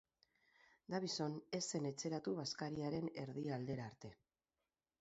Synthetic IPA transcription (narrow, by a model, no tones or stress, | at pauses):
d̪aβiso̞ne̞se̞ne̞t͡se̞ɾat̪uβ̞askaɾiaɾe̞ne̞ɾðiald̪e̞ɾaːɾt̪e̞